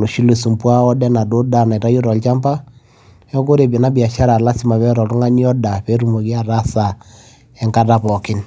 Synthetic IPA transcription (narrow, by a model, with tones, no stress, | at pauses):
lo˨ʃi˦le˨su˨mpwa˦ɔ˦dɛ˦na˨do˦da˨na˨i˨ɾa˦jo˦ɾɔ˨lt͡ʃa˦mpa˦ | ɛ˦ko˦ɾe˨be˨na˦bi˨a˨ʃa˦ɾa˨la˦si˦ma˨βɛ˦ɾɔ˨tu˦ŋa˦ni˦ɔ˦da˨pe˦ɾu˦mo˨ki˦a˦ɾa˦sa˨ | ɛ˦ŋka˦ta˦pɔ˨kɪ˦n